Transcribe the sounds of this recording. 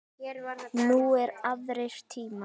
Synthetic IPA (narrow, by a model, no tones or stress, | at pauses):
nuɛɾaðɾejɾ̥t̪ʰiːma